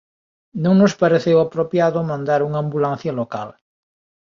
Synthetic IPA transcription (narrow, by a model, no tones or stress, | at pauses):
nõŋnospaɾeθewapɾopjaðomãnd̪aɾuŋambulan̟θjalokal